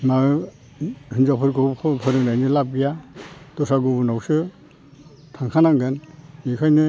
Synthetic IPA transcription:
ma | hɯnzapʰɯɾɡɔpʰɯɾɯnajnɯlab̚ijad̥ɔsaɡubunawsɯ | tʰaŋkʰanaŋɡɯnikʰajnɯ

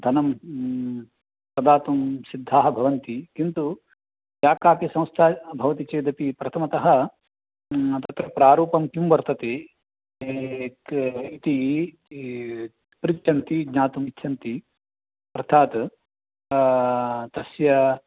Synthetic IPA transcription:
d̪ʱɐnɐm | pɐd̪aːt̪umsid̪ʱːaːɦɐbʱɐʋɐnt̪ikint̪u | jaːkaːpjɐsɐ̃w̃st̪ʰaːbʱɐʋɐt̪it͡ʃeːd̪ɐpipɾɐt̪ʰɐmɐt̪ɐɦɐ | t̪ɐt̪ɾɐpɾaːɾuːpɐmkumʋɐɾt̪ɐt̪eː | it̪i | pɾitt͡ʃɐnt̪iɡɲaːt̪umitːʃʰɐnt̪i | ɐɾt̪ʰaːt̪ | t̪ɐsjɐ

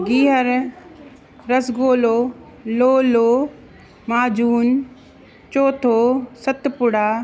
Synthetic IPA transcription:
ɡiːɦəɾ | ɐsɡoːloː | loːloː | maːd͡ʑuːn | t͡ɕoːt̪ʰoːsɐt̪pʊɽaː

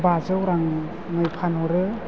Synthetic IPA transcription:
bazɯwɾaŋ | ŋɯjpʰanɔɾɯ

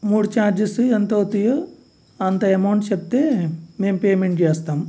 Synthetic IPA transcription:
muːɽut͡ʃaːɾd͡ʒisɨɐnt̪oːt̪ijo | ɐnt̪ɐɐmɐwɳʈt͡ʃep̚t̪eːmeːmpeːjmeɳʈt͡ʃɛːst̪aːm

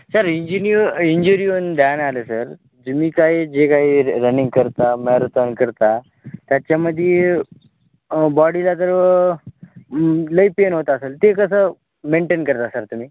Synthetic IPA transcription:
səɾiɲd͡ʑinioiɲd͡ʑuɾiond̪analesəɾ | d͡ʑemiːkaɦiːd͡ʑekaɦiːɾənĩŋɡkəɾt̪amɛɾt̪ankəɾt̪a | t̪jat͡ɕjaməd̪ʱːje | bɔɽilat̪̬əɾə | ləipenɦot̪aːselt̪ekəs̬əː | meɳʈenkəɾt̪asəɾt̪um̤iː

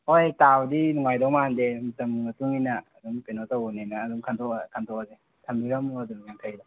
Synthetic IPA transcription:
hojtawdinɔŋajdɔŋmandemutɐmmɐtuŋinaːduŋpenotawunenaːduŋkʰantʰɔkʰantʰɔaze | tʰambiɾamuaduŋjaŋtʰajda

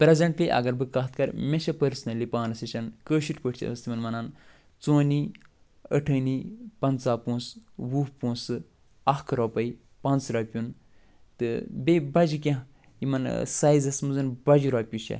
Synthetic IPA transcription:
pɾezɐɳʈliʔɐ̰ɡɐɾbɨkaːt̪ʰkɐɾmʲeʃɐpəɾsnɐlipaːnɐsɐt͡ʃɐnkəːʃiʈpəʈʰt͡ʃʰɐ̰ɐst̪imɐnmɐnaːn | t͡soːni | ə̰ʈʰɐːnipɐnt͡saːpõːnswupõːnsɨ | ɐkʰɾɔpɐi | pɐnt͡sɾaːpʲjun | t̪ɨbebɐd͡ʒik̬ʲẽ | imɐnsaːjzɐsmuzɐnbɐd͡ʒiɾaːpʲjuʃḛ

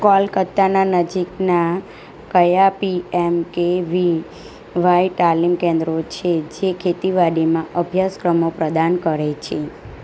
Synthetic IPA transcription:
kɔlkət̪ːananəd͡ʒikna | kəjapiɛmkeʋi | ʋaiʈalimkẽnd̪ɾot͡ʃʰed͡ʒekʰet̪iʋaɽimãʔəbʱjaskɾəmopɾəd̪ankəɾet͡ʃʰe

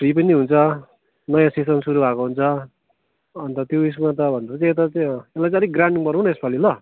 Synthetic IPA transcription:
ʈripʌnineɦunt͡sʰʌ | nʌjãsisʌnsuɾubʱakoɦunt͡sʰʌː | nt̪ʌt̪jois̬mat̪ʌbʱʌnd̪ʌɾʌt͡sãet̪̬ʌt͡sãelajt͡sãʌd̪iɡraɳɖiŋbʌɾũnʌespʰʌlilʌ

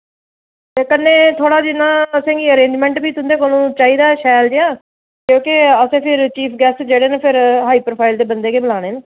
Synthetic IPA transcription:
t̪eːkənːeːt̪ʰoːɽaːd͡ʒɪnːãːəsẽːɡiːəɾẽːɲd͡ʒmɛ̃ːɳʈbiːt̪ʊ̃nd̪eːk̬oːnũːt͡ʃaːiːd̪aːʃɛːld͡ʒeãː | kjõːkɪəsẽːpʰɪɾt͡ʃiːpʰɡɛːsd͡ʒeːɽeːnəpʰɪɾɦaːiːpɾoːpʰaːɪld̪eːbənd̪eːkeːbəlaːɽ̃eːn

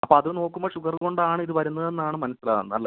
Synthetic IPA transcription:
ɐpːoːɐðɨno̞ːkːumboːʂuɡɐrko̞ɳɖaːɳɨiðɨʋɐɾunːɐðe̞nːaːɳɨmɐnɐsila̰ːʋɐnːɨɐlːe

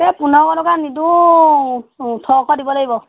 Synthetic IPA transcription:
tɛpunɔɔkɔtɔkanidu | tʰɔkɔdibɔlaɡibɔ

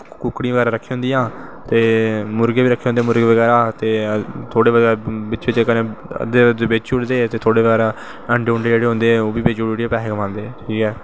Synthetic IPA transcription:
kʊkɽĩãːʋəɡɛːɾãːɾəkʰːeɦõːnd̪ijãːt̪eːmʊɾɡeːiːɾəkʰːeːõːnd̪eːmʊɾɡeːʋəɡɛːɾaːt̪eːt̪ʰoːɽeːʋəɡːbɪt͡ʃɪt͡ʃːkənḛ̃ːd̪ebɪt͡ʃʊɽd̪eːt̪eːt̪ʰoːɽeːʋəɡɛːɾaː | əɳɖeːʊɳɖeːd͡ʒeːɽeːɦõnd̪eːɛ̃oːbiːbeːd͡ʒooɽeẽːpɛːɦekəmãːnd̪eːʈʰiːkɛː

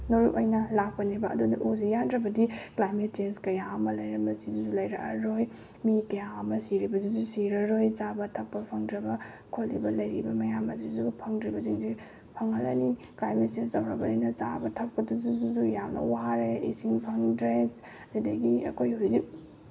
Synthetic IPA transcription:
noɾuʔojnɐlak̚pɐnebɐɐ̰dunɐʔuzijandɾɐbɐdiklajmet̚t͡ʃenskɐjaɐmɐlɐjɾɐbɐsiduzulɐjɾɐʔɐɾoj | mikɐjaɐmɐsiɾibɐzuzusiɾɐɾojt͡ʃabɐtʰɐk̚pɐpʰɐŋdɾɐbɐ | kʰolːḭbɐlɐjɾibɐmɐjamɐzizupʰɐŋdɾibɐziŋzi | pʰɐŋhɐlɐniklajmet̚sensɐwɾɐbɐdujnɐt͡ʃa̰bɐtʰɐk̚pɐduzuzuzujamnɐ̰waɾeḭsiŋpʰɐŋdɾes | ɐjdɐɡiɐ̰kʰojhojzi

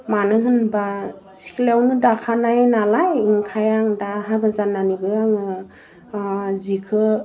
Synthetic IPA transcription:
manɯɦɯnba | si̥kʰlawnɯdakʰanajnalajɯŋkʰajaŋdaɦabazanːanibɯaŋɯ | zikʰɯ

